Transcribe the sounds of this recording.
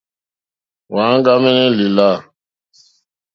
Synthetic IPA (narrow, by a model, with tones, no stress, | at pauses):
wa˨˦ŋ˦ɡa˦mɛ˦nɛ˦li˨la˦˨